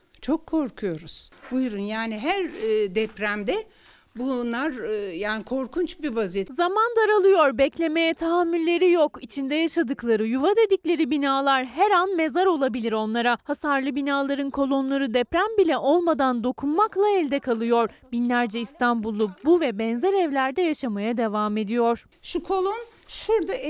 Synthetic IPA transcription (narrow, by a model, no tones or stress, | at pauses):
t͡ʃʰokʰːo̞ɾkʰujo̞ɾuz̥bujɾunjaːniɦæɾːd̪ɛpɾæmd̪ɛ | bunlˠaɾjaːnikʰo̞ɾkʰunt͡ʃbivazijɛzamand̪aɾalˠɯjo̞ɾbɛclʲe̞me̞jɛt̪ʰaɦamːylʲːe̞ɾijokit͡ʃʰind̪ɛjaʃad̪ɯklˠaɾɯjuvad̪e̞d̪iclʲe̞ɾibinaːlˠaɾɦɛɾanme̞zaɾo̞lˠabilʲiɾo̞nlˠaɾahasaɾlˠɯbinaːlˠaɾɯnkʰo̞lˠo̞nlˠaɾɯd̪ɛpɾænbilʲɛʔo̞lˠmad̪and̪o̞kʰunmaklˠaɛlʲd̪ɛkʰalˠɯjo̞ɾbinlʲæɾd͡ʒɛist̪ʰanbulˠːubuvɛbɛnzɛɾɛvlʲæɾd̪ɛjaʃamajad̪e̞vaːme̞d̪ijo̞ɾ̥ | ʃukʰo̞lˠon | ʃuɾd̪a